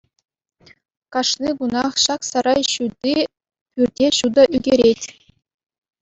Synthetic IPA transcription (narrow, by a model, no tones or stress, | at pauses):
kɑʂniɡunɑχɕɑksɑɾɑjɕud̪ʲi | pʲyrʲdʲeɕud̪ɑʔyɡʲeɾʲetʲ